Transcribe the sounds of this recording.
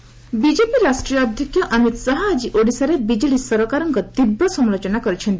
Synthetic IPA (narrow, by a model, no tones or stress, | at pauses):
bid͡ʒepiɾasʈɾijɔːd̪ʱjɔkʰjɔʔamit̪saɦaːd͡ʒiʔoɽisaɾebid͡ʒiɽisɔɾɔkaɾɔŋkɔt̪ibɾɔsɔmlot͡ʃɔnakɔɾit͡ʃʰɔnt̪i